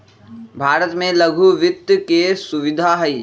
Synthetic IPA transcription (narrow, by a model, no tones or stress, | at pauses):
bʱaːɾət̪mẽləɡʱuʋɪt̪jkesʊʋɪd̪ʱaɦɛi